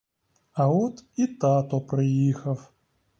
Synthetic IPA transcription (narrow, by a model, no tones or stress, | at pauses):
ɐɔt̪it̪at̪ɔpɾɨjixɐf